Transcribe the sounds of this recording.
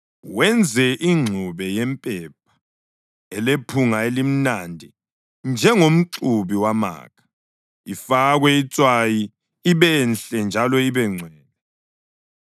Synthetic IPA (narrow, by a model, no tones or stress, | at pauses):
wɛnd͡zʱɛʔiŋ͡ǀʱuβɛjɛmpʼɛp̚ʰḁ | ɛlepʰuŋaelim̩nandʱi | nd͡ʒʱɛŋom̩ǀuβiwama̰ːkʰḁ | ifaɣwɛit͡sʼwaji | iβɛnɬɛnd͡ʒʱalɔiβɛŋ͡ǀʱwɛːnɛ